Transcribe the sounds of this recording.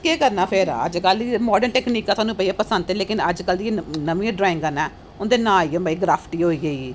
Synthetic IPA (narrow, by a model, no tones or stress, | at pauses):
keːkəɾnaːpʰɪɾə̰d͡ʒkəlimɔːɖəɳʈɛːkniːkːaːt̪ʰwaːnũːpəiaːpəsə̃nd̪eːleːkɪnəd͡ʒkəld̪ienəʋĩãɖɾaːɪ̃ŋɡkəɾnɛː | ʊnd̪eːnãːiːbaːiːɡɾaːpʰʈiːɦoːiːɡəiː